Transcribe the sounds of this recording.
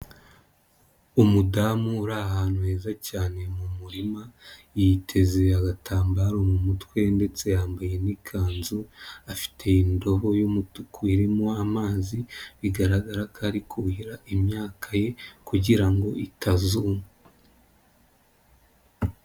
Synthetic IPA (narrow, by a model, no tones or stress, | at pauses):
umudamuːɾaːhaːnuhe̞ːzacaːne̞mumuɾima | jitʰe̞ze̞aɡatʰaːmbaɾomumutwe̞nde̞t͡se̞jaːmbaje̞nikʰaːnzuafi̥tʰe̞indo̞βojumutukuiɾimoamaːziβiɡaɾaɡaɾakʰaɾikʰuiɾaʔimɲaːkʰaje̞kuɟiɾaŋɡo̞ʔitʰazuːma